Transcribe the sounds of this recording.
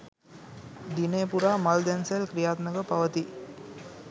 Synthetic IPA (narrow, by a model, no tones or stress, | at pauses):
d̪ineːpuɾaːmald̪ɛnselkɾijaːt̪nəɡəpaʋət̪i